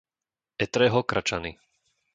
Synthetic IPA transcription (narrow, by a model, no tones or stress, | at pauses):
ɛt̪ɾɛːɦɔkɾʔat͡ʃani